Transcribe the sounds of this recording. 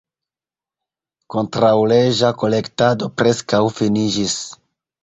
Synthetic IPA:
ko̞ntɾawle̞ʒako̞le̞ktado̞pɾe̞skawfinid͡ʒis

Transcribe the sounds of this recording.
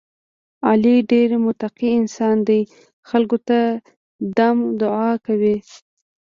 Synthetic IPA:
ɑliɖeɾmʊt̪aqiɪnsɑnd̪aj | xalɡot̪a | d̪amd̪ʊɑkawi

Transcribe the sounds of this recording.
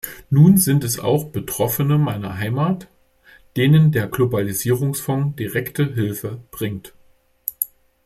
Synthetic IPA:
nuːnzɪntɛsa̰ʊxb̥ətʁ̥ɔfənəmaɪnɐ̰ɦaɪmaːt | d̥eːnəndeːɐɡlobaliziːʁ̞ʊŋsfɔŋd̥iʁɛktəɦɪlfəb̥ʁɪŋt

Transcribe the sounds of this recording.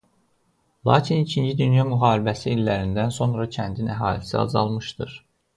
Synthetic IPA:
lˠɑ̰ːcʰinicʰind͡ʒid̪ynjɑmyɦɑːɾibæsiːlːæɾind̪ænso̞nɾɑcʰænd̪inæɦɑːlisḭɑ̰zɑ̰lˠmɯʃt̪ɯ̰ɾ

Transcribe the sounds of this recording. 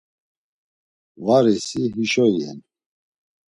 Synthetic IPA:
vaɾisiɦiʃɔjɛ̰n

